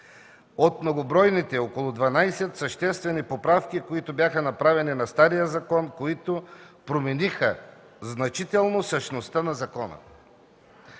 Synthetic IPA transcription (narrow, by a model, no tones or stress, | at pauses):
ot̪mnoɡobɾɔjnit̪ɛokolˠʊd̪vanajsɛt̪sɐʃt̪ɛst̪vɛnipopɾafkikoit̪objaxənɐpɾavɛninɐst̪aɾijəzɐkɔnkoit̪opɾomɛnixə | znɐt͡ʃit̪ɛlˠnosəʃnost̪ənɐzɐkɔnə̰